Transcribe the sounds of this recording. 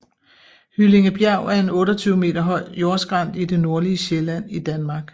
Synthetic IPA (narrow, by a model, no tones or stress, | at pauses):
hyle̝ŋəb̥jɛʊ̰æɐe̝nɔ̽ːɾɐt͡sʰyːʊme̝̰ːdɐɦɒ̽ɪ̰jo̝ɐsɡ̥ʁɑn̰d̥id̥e̝no̝ɐliəɕelæn̰id̥ænmɑ̈ːɡ̥